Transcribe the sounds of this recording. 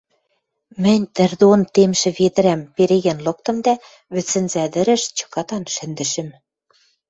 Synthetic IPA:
mɘ̆nʲt̪ɘ̆rd̪ont̪emʃɘ̆βed̪ɘ̆ɾæmpeɾeɣĕnlɤ̆k̚t̪ɤ̆md̪æ | βɘ̆t͡sːɘ̆nzæd̪ɘ̆ɾɘ̆ʃt͡ɕɤ̥̆kɑt̪ɑnʃɘ̆nd̪ɘ̆ʃɘ̆m

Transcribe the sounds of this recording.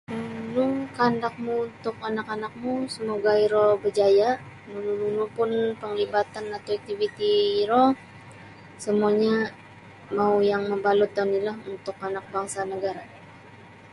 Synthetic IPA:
unuŋkandak̚muunt̪ʊk̚anakanak̚musəmoɡaiɾɔbəd͡ʒajaʔ | nulululupʊnpəŋlibat̪anat̪awɛk̚t̪ivit̪iːɾɔ | səmuaɲa | maujaŋməmbalut̪ːanilahunt̪ʊkanak̚baŋsanəɡaɾa

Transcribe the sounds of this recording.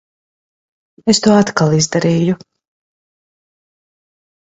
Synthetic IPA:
est̪uɔat̪kalˠizd̪aɾiːju

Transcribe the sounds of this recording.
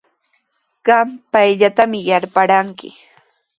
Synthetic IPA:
ɢɑmpajʎat̪amɪjaɾpaɾaŋkɪ̰

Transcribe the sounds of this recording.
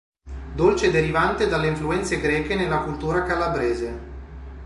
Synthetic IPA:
d̪olt͡ʃed̪eɾivant̪ed̪alːeiɱfluɛnt̪seɡɾɛːkenelːakult̪uːɾakalabɾɛːze

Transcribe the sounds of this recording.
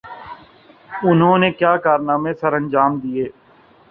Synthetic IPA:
ʊnɦõːneːkjaːkaːɾnaːmẽsəɾə̃nd͡ʒaːmd̪ieː

